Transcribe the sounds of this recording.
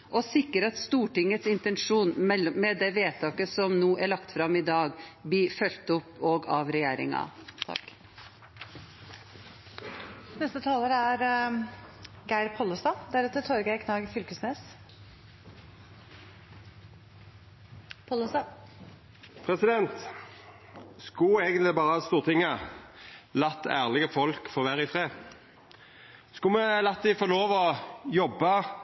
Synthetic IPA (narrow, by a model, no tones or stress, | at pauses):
ʔɔsɪkːəɾɑt̪st̪uːʈɪŋːət̪sɪnt̪ɛnʂuːnmɛlmɛd̪ɛʋeːt̪ʰɑːkəsɔmnuːʔæɭɑkt̪fɾɑmɪd̪ɑːɡbifœlt̪ʊpːɔɡɑʋɾɛjæːɾɪ̰ŋɑ̰t̪ʰɑ̰kː | nɛst̪ət̪ʰɑːləɾəæɾ | ɡæɪɾpʰɔləst̪ɑd̪æɾʉt̪ət̪ʰɔɾɡəɪkʰnɑːɡfʏlkəsneːs | pʰɔləsɑ | pʰʁɛsɪd̪ɛnt̪ | skʊeːɡənt̪lɪbɑːʁəɑst̪uːʁt̪ʰɪŋːə | lɑt̪ːæːʁlɪɡəfɔlkfɔʁʋæːʁəɪfʁeː | skʊmɛlɑt̪d̪ɛɪfɔʁloːʋɔjɔbːɑ